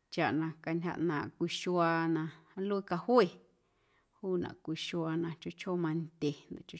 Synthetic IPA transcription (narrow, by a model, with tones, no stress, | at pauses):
t͡ʃa˨ʔnã˧ka˧nʲha̰˧ʔnãː˨ʔkʷi˧ʃwaː˧nã˧˦lu˦i˦ka˧hwe˦ | huː˦˨nã̰˨kʷi˧ʃwa˧nã˧t͡ʃo˦ʔt͡ʃʰo˦mã˧nd̪ʲe˨nã̰˨ʔt͡ʃo˧˦